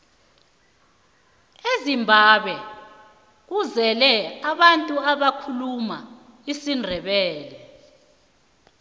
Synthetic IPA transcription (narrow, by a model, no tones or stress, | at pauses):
ezimbʱaɓɛ | k̬uzɛlɛaɓantʼuaɓakʰuluma̰ | isindʱɛɓɛːlɛ